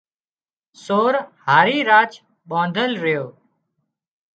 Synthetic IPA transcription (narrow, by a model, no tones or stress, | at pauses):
soːɾhaːɾiːɾaːt͡ʃ | ɓõːnd̪ʱəlɾɪjoː